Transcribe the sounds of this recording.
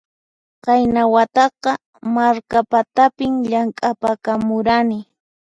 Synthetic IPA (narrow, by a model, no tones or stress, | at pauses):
qɑjnawat̪ɑqɑ | maɾkapat̪apɪmʎaŋkʼapakamʊɾanɪ